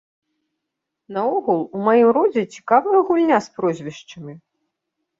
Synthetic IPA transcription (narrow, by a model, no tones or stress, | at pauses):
nɐɔɣulˠumajimɾɔd͡zʲɛt͡sʲi̥kavɐjɐɣulʲnʲaspɾɔzʲvʲɛʂt͡ʂɐmʲi